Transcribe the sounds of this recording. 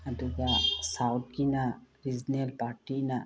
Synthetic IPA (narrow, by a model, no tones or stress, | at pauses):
ɐd̪uɡasawt̪̚kinaɾid͡ʒnelpaːɾʈina